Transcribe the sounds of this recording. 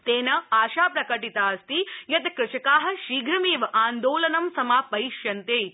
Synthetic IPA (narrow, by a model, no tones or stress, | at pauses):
t̪eːnɐaːʃaːpɾɐkɐʈit̪aːɐst̪ijɐt̪kɾɪʃɐkaːɦɐ̆ʃiːɡʱɾɐmeːʋɐʔaːnd̪oːlɐnɐmsɐmaːpɐjʃjɐnt̪eː